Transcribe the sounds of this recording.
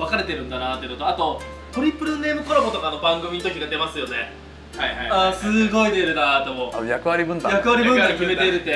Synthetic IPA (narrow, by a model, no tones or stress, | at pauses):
βakaɾe̞t̪e̞ɾɯ̟̃nd̪anat̪enot̪oat̪o̞ | t̪oɾʲipːɯ̟ɾɯ̟nːe̞ːmɯ̟ko̞ɾobo̞t̪o̞kanobãŋɡɯ̟mʲĩt̪o̞kçʲiɡad̪e̞masɨjo̞ne̞̰ | haiaasɨɡo̞id̪eɾɯ̟d̪ad̪emojakɯ̟βaɾʲibɯ̟̃nd̪ajakɯ̟βaɾʲibɯ̟̃nd̪akʲime̞t̪eɾɯ̟t̪ːe